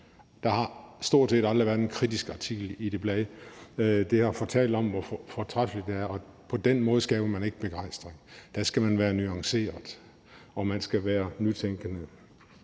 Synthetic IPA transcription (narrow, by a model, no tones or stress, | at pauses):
d̥ɑ̈hɑ̈sd̥o̝ɐ̰d̥se̝̰ːd̥ɑ̈ld̥ʁiʋæɐd̥ˠenkʰʁid̥isɡ̥ɑ̈t͡sʰiɡ̥l̩id̥e̝b̥lɛːðˠ | d̥e̝hɑ̈fɒt͡sʰɛ̰ːld̥ɒ̽m̰ʋɒffɒt͡sʰʁafəlid̥d̥e̝æɐɒ̽ | pʰɒ̽d̥enmɔ̽ːð̞̩ˠsɡ̥ɛ̰ːʊɐmæne̝ɡ̥əb̥e̝ɡ̥ɑ̈ɪ̰sd̥ʁeŋd̥æsɡ̥æmænʋæːɐnyɑ̈ŋse̝̰ːɐðˠ | ɒ̽mænsɡ̥æʋæːɐnyt͡sʰeŋɡ̥ənə